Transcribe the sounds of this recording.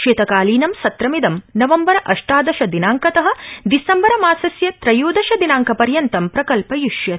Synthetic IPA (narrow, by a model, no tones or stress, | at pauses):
ʃeːt̪ɐkaːliːnɐmsɐt̪ɾɐmid̪ɐmnɐʋɐmbɐɾɐʔɐʂʈaːd̪ɐʃɐd̪inaːŋkɐt̪ɐɦɐ̆d̪isɐmbɐɾɐmaːsɐsjɐt̪ɾɐjuːd̪ɐʃɐd̪inaːŋkɐpɐɾjɐnt̪ɐmpɾɐkɐlpɐjuʃjɐ